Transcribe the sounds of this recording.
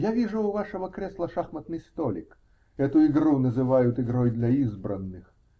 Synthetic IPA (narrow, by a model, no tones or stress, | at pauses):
javʲiʐʊːvaʂəvəkɾʲeslˠəʂaxmət̪nɨjst̪olʲɪ̰k | ɛt̪ʊɪɡɾunəzɨvajʊt̪ɪɡɾojd̪lʲɐizbɾənːɨx